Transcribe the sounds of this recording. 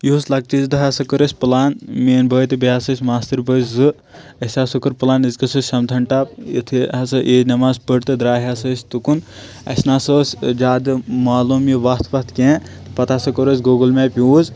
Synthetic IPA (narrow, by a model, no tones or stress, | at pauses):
juuslɐk̚t͡ʃizd̪ɨɦasɐkəɾəsʲpɨlaːnmeːnbʱəːjt̪ɨbiaːsɐsʲmaːst̪iɾbəszɨ | ɐsʲaːsokɐɾpɨlaːnizkɐsəsʲsɐmt̪ʰɐɳʈaːp̚ḭt̪ʰiɦɐsɐʔeːnɐmaːzpəɾt̪ɨd̪ɾaːɦiasɐsʲt̪ukun | ɐ̰snaːsəːsʲd͡ʒaːd̪ɨmaːluːmjiʋɐst̪ʰʋɐst̪ʰkẽː | t̪ɨpɐt̪ʰaːsɐkəɾəs̬ʲɡoːɡɨlmeːpʲjuːz